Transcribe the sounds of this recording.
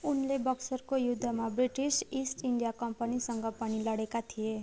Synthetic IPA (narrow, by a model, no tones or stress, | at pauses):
unlebʌksʌrkojud̪ʱːamabriʈisisʈiɳɖijakʌmpʌnisʌŋɡʌpʌñilʌɽekat̪ʰije